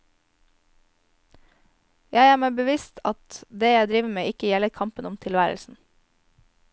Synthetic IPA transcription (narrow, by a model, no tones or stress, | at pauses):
jæɪæːmæɪbəʋɪst̪ʰɑt̪d̪eːjæɪd̪ɾiːʋəmeːɪkəjɛləɾkʰɑmpənʊmt̪ʰɪlʋæːɾə̰lsn̩